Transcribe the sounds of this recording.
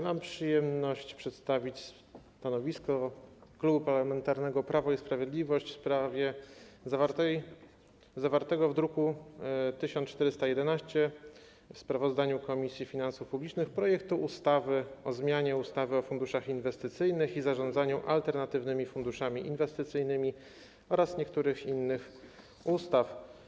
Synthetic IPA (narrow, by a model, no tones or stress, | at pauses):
mampʂɘjɛmnɔɕt͡ɕpʂɛt̪st̪avʲit͡ɕs | t̪anɔvʲiskɔklubupaɾlamɛnt̪aɾnɛɡɔpɾavɔispɾavʲjed̪lʲivɔɕt͡ɕfspɾavʲjɛzavaɾt̪ɛj | zavaɾt̪ɛɡɔvd̪ɾukut̪ɘɕɔnt͡ʂt̪ɛɾɘst̪ajɛd̪ɛnaɕt͡ɕɛ | fspɾavɔzd̪aɲukɔmʲisʲjifʲinansufpublʲit͡ʂnɘxpɾɔjɛkt̪uʔust̪avɘɔzmʲjaɲɛust̪avɘɔfund̪uʂaxinvɛst̪ɘt̪sɘjnɘxizaʐɔnd̪zaɲuʔa̰lt̪ɛɾnat̪ɘvnɘmʲifund̪uʂamʲiʔinvɛst̪ɘt̪sɘjnɘmʲi | ɔɾasɲɛkt̪uɾɘxinːɘx | ust̪af